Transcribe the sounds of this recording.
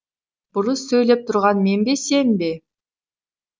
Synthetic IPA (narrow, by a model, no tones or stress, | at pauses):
b̥ʊɾəsːɵjle̞p̚t̪ʰʊɾʁɑnme̞nbese̞nbe